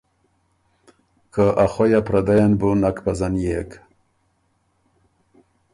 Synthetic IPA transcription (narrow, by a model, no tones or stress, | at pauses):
kəʔaχojapɾad̪ajanbunakpazanjek